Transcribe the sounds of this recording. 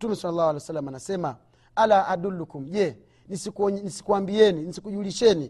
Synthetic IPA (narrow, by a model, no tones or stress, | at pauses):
tumɛsalːalːahualusalːamanasɛma | alaadulːukum̩ɟɛ | nisikɔɲnisi̥kuwambiɛninisikuʄuliʃɛni